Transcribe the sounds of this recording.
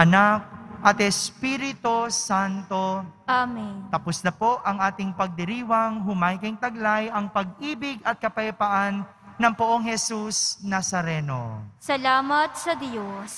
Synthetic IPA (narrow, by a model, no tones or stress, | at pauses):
ʔɐnak̚ʔɐt̪ɛspiɾɪt̪osant̪o̞ʔamint̪ɐpʊslɐpo̞ʔɐŋʔaːt̪ɪŋpɐɡ̚d̪ɪɾiːwɐŋɦʊmajkɐŋt̪ɐɡlajɐŋpɐɡ̚ʔiːbɪɡɐt̪̚kɐpɐjɐpaʔanː | ɐŋpʊʔoŋhɛsusnɐsɐɾɛno̰sɐlaːmɐt̪̚sɐd̪jos